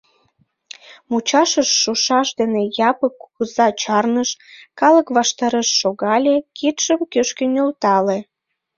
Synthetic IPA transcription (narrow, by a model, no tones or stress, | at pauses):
mut͡ɕɑʃəʃːuʃɑʃd̪enejɑpəkːuɣəzɑt͡ɕɑrnəʃkɑləkβɑʃt̪ɑɾeʃːoɣɑlʲekʰit̪ʃəmkøʃkenʲølt̪ɑle